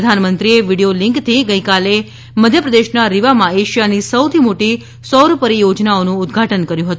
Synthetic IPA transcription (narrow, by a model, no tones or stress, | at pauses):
d̪ʱanmənt̪ɾieʋiɽijolɪŋkt̪ʰiɡəjkale | məd̪ʱjəpɾəd̪eʃnaɾiʋamãeʃijanisəwt̪ʰimoʈi | sɔɾpəɾijod͡ʒnaonũːd̪ɡʱaʈənkəɾjũɦət̪